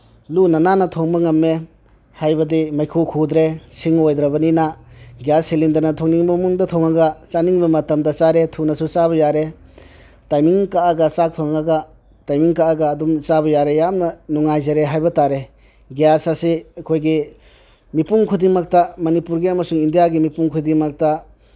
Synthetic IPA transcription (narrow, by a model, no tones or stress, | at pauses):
lunɐnanɐtʰoŋbɐŋɐmːe | hajbɐdimajkʰukʰud̪ɾesiŋojd̪ɾɐbɐninaɡjasilindɐɾnɐtʰoŋniŋbɐmuŋdɐtʰoŋaɡɐt͡ʃaniŋbɐmɐtɐmdɐt͡ʃaɾetʰunɐsut͡ʃaβɐjaɾe | tajmiŋkaaɡɐt͡ʃak̚t̪ʰoŋaŋaɡɐ | tajmiŋkaaɡɐːdumt͡ʃabɐjaɾejamnɐnuŋajzeɾeɦajbɐtaɾe | ɡjasasiɐkʰojɡi | mipuŋkʰudiŋmɐk̚tɐmɐnipuɾɡiɐmɐsuŋindijaɡimipuŋkʰudiŋmɐk̚tɐ